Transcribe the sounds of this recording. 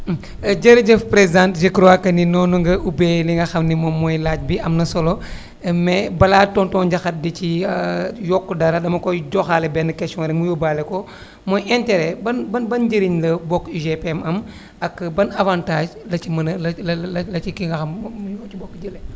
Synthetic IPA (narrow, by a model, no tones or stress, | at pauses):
ɟɐɾid͡ʒɐfpɾezdãntʒekɾoakɐninɔːnuŋɡɐʔubɛliŋɡɐxɐmnimɔmɔjlaːc̚biɐmnɐsɔlɔ | mɛbɐlatɔntɔːnɟɐxɐt̚dici | jɔkːudɐɾɐdɐmɐkɔɟɔxaːlɛbɛnɐkɛstɔ̃nɾɛŋmujubalɛkɔ | mɔjɛntɛɾɛbɐnbɐnbɐnɟəɾiɲlɐbɔkːʒepɛmɐm | ɐkːbɐnɐvãːntaːʒlɐt͡ʃimɐnlɐlɐlɐlɐcikiŋɡɐxɐmjɔt͡ʃibɔkːɟəlɛ